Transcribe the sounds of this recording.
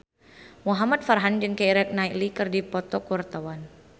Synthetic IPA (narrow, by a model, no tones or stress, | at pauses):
muɦamat̪̚farɦand͡ʒɨŋkeiɾɛk̚nailikɨrdipɔt̪ɔkurt̪awan